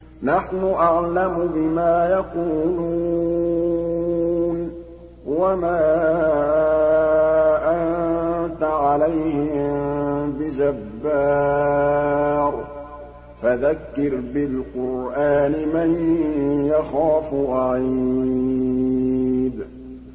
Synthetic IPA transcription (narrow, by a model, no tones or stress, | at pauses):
naħnʊʔaʕlamʊbɪmaːjɑquːlu | n | wamaː | ʔant̪aʕalajhɪmbɪd͡ʒabːa | ɾ | faðakːɪɾbɪlqʊɾʔaːnɪmanjaxaːfʔaʕi | d̪